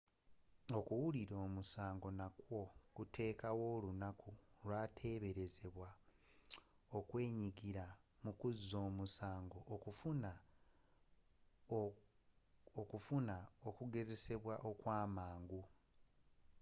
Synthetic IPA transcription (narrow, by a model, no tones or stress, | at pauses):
o̞kuwuliɾo̞ːmusaːŋɡo̞nakwo̞kutʰe̞ːkawo̞ːlunakuɾwaːtʰe̞ːβe̞ɾe̞ze̞βwa | o̞kwe̞ːɲiɡiɾamukuzizo̞ːmusaːŋɡo̞ʔːkufuna | okufunaokuɡe̞ze̞se̞βwaʔo̞kwaːmaːŋɡu